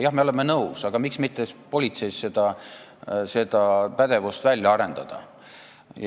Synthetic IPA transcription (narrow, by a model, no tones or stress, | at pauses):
jɑhmeolemːenɤwsɑɡ̥ɑmiksmit̪ːˑespo̞lʲit̪se̞jsse̞d̪̥ɑ | se̞d̪̥ɑpæd̪̥e̞vust̪vælʲjɑɑɾe̞nd̪̥ɑd̪̥ɑ̰